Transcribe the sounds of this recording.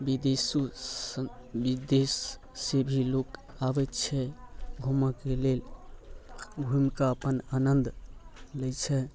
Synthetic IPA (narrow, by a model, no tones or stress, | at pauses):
bid̪esu | bid̪es | sebʱilokabɛt̪t͡ʃʰɛɡʱumakelel | ɡʱumikaəpənanənd̪lɛt͡ʃʰɛ